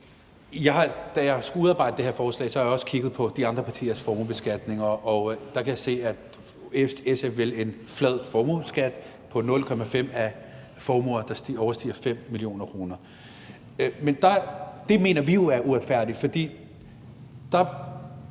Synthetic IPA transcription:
jɑ̈ɪɦɑ̈d̥æjɑɪsɡ̥uuðˠɑ̈ːbɑ̈ɪ̰d̥əd̥eɦeɐfɒːslɛ̰ːsɒ̽hɑ̈jaɒ̽sə̥kʰiɡ̥ð̞̩ˠpʰɒ̽d̥iɑ̈nd̥ʁɐpʰɑ̈t͡sʰḭːɐsfɒːmub̥e̝sɡ̥æd̥ne̝ŋɐʔɒ̽d̥ɑ̈kʰæjɑ̈se̝̰ːæd̥ | esefʋele̝nflɛð̞̰ˠfɒːmusɡ̥æd̥ | pʰɒ̽nɔ̽lkʰɒ̽mæfem̰æ | fɒːmuɐd̥ɑ̈sd̥iɒʊɐsd̥ḭːɐfem̰ːilio̝̰ːnɐkʰʁo̝ːnɐ | mend̥ɑ̈d̥e̝me̝̰ːnɐʋijo̝æɐʔuʁɑd̥fæɐ̰d̥i̥fɒ̽d̥ḭː | d̥ɑ̈

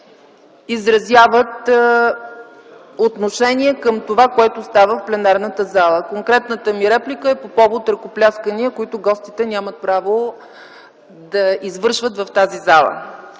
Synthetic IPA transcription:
izɾɐzʲjavət̪ | ot̪noʃɛniɛkəmt̪ovakoɛt̪ost̪avəfplɛnaɾnət̪əzalˠəkoŋkɾɛt̪nət̪əmiɾɛplʲikəɛpopɔvot̪ɾɐkoplʲaskəniəkoit̪ʊɡɔst̪it̪ɛnʲamət̪̚pɾavo | d̪ɐizvɤɾʃvət̪vɐft̪azizalˠə̰

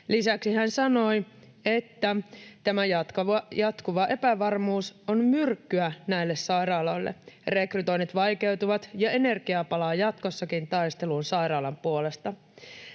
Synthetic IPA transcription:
lisæksihænsɑno̞j | e̞t̪ːæt̪æmæjɑt̪kɑjɑt̪kuʋɑʔe̞pæʋɑrmuːsonmyrkːyænæilːessɑiɾɑːlo̞jlːḛre̞kryt̪o̞init̪ʋɑjke̞wt̪uʋɑt̪jɑe̞ne̞rɡ̥iɑpɑlɑːjɑt̪ko̞sːɑkint̪ɑjst̪e̞luːnsɑiɾɑːlɑmpuole̞st̪ɑ

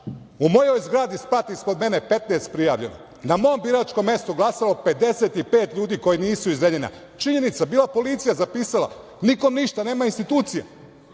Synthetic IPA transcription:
umo̞jo̞jzɡɾaːd̪ispɾat̪ispod̪me̞nepe̞t̪neːst̪̚pɾijaːʋʎe̞no̰ | namo̞mbiɾaːt͡ʃko̞mje̞st̪uɡlˠasalope̞d̪e̞set̪ipe̞ːt̪ʎuːd̪iːko̞jiniːsuizɾeʎena̰ | t͡ʃiɲe̞nit̪sabiːlˠapo̞liːt̪sijazapiːsala̰ | nikomniʃt̪aneːmainst̪it̪uːt̪sija̰

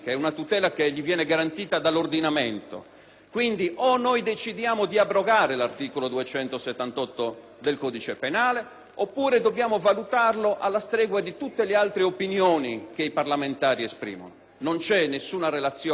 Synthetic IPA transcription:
keɛunat̪ut̪ɛːlakeʎːivjɛːnɛɡaɾant̪iːt̪ad̪alːord̪inamɛnt̪o̰ | kwind̪iʔonːojd̪et͡ʃid̪jaːmod̪iabɾɔɡaːɾelart̪iːkolod̪uɛt͡ʃɛnt̪osɛt̪ːant̪ɔt̪ːo | d̪elkɔːd̪it͡ʃepenaːle | opːuːɾed̪objaːmovalut̪arloʔalːast̪ɾɛːɣwad̪it̪ut̪ːelealt̪ɾeopinjoːnik̟eiparlament̪aːɾiespɾḭːmɔ̰no | nont͡ʃɛnːesːuːnarelat̪sːjɔ

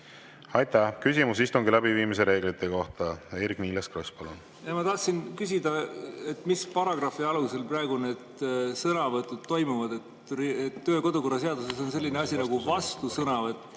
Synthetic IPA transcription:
ɑjt̪ˑæhkysimusist̪uŋɡilæbiviːmis̬e̞ɾe̞ːɡlit̪ːˑeko̞ht̪ɑeɾikniːlɑskrospɑlun | jɑmɑt̪ɑht̪sinkysʲid̪̥ɑe̞t̪ːˑmispɑɾɑɡ̥rɑfiɑluse̞lprɑeɡ̥une̞d̪̥sɤnɑvɤt̪ːˑud̪̥̚t̪ːo̞jmuvɑd̪e̞t̪ | riet̪ːø̞ːko̞d̪uko̞rːɑs̬e̞ɑd̪use̞so̞nse̞lːineɑsʲinɑɡ̥uvɑst̪usɤnɑvet̪ˑː

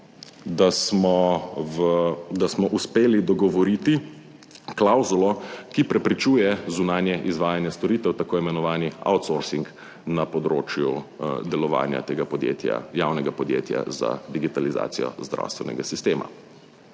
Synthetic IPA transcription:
d̪asmɔvəd̪asmɔʔuspeːlid̪ɔɡɔʋɔɾiːt̪i | klawzulɔkipɾɛpɾit͡ʃuːjɛzunaːnjɛʔizʋaːjanjɛst̪ɔɾiːt̪ɛwt̪akoːimɛnɔʋaːnia̰wt̪soɾsiŋk | napɔd̪ɾo̰ːt͡ʃjud̪ɛlɔʋa̰ːnja̰t̪eːɡapɔd̪jḛt̪ja̰jaːwnɛɡapɔd̪jḛːt̪ja̰za̰d̪iɡit̪aliza̰ːt̪sijɔ̰zd̪ɾa̰wst̪ʋɛnɛ̰ɡasist̪eːma̰

